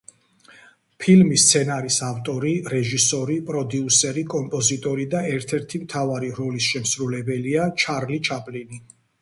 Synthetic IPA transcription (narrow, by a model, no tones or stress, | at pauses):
pʰilmist̪sʰɛnaɾisaft̪ʼɔɾiɾɛʒisɔɾipʼɾɔd̪iusɛɾikʼɔmpʼɔzit̪ʼɔɾid̪aɛɾt̪ʰɛɾt̪ʰimt̪ʰavaɾiɾɔlisʃɛmsɾulɛbɛliat͡ʃʰaɾlit͡ʃʰapʼlini